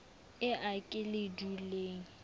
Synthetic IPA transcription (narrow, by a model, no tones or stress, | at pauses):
ɪʔakʼɪlɪduleːŋ̩